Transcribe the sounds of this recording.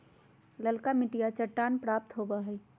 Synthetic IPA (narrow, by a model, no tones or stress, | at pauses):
ləlkamɪʈijat͡ʃəʈːaːnpɾaːp̚t̪ɦobaɦɛː